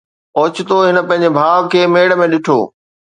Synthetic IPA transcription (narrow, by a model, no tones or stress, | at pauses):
oːt͡ɕɪt̪oɦɪnə̆pɐ̃ɦɪ̃ɲ̆d͡ʑebʱaːʋkʰeːmeːɽmẽɗɪʈʰo̰ː